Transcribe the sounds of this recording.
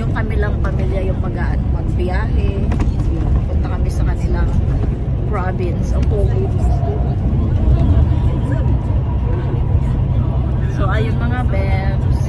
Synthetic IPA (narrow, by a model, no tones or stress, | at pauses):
jʊŋkɐmɪlɐŋpɐmiljɐjʊŋpɐɡa̰ʔnomɐɡ̚bɪjaːɦɛ | pɐpʊnt̪ɐkɐmɛsɐkɐnɪlaŋ | pɹabɪnsʔɐŋpuːʔɪjmsd̪uɾ | soʔɐjʊŋmɐŋabɛks